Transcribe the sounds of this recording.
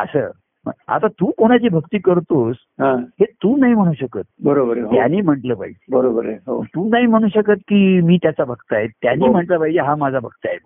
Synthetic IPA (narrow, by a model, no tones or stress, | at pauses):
ə̰sə̰ | mə̰a̰t̪at̪uːkoɽ̃at͡ɕiːbʱəkt̪iːkəɾt̪os | ɦãhet̪uːnaɦim̤əɽ̃uːɕəkəːt̪̚bəɾobəɾeɦjaniːm̤əɳʈləbʱa̰id͡ʑebəɾobəɾɦot̪uːnaɦim̤əɽ̃uːɕəkət̪kiːmiːt̪jat͡sabʱəkt̪əaɦet̪ːjaniːm̤əɳʈləbʱaid͡ʑeɦamad͡zʱabʱək̚t̪a̰ɦe